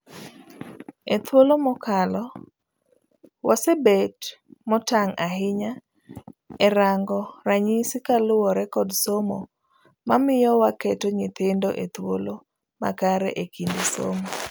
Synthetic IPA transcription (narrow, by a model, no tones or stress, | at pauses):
et̪wolomɔkalɔ | wasɛbetmɔtaŋaɦɪɲa | ɛɾaŋɡɔraɲisɪkalʊwɔɾɛkɔdsomo̰ | mamɪjɔwakɛtoɲɪt̪endoʔet̪wo̰lo | ma̰kaɾɛʔekindiso̰mo